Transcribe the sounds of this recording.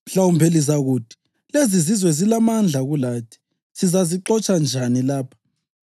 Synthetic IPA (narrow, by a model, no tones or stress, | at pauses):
ɬawumpʰeliz̬aɣuːtʰi̥ | lezizizwɛzilamand͡ɮʱaɣulaːtʰi̥ | sizaziǃɔt͡ʃʼand͡ʒʱanilaːpʰḁ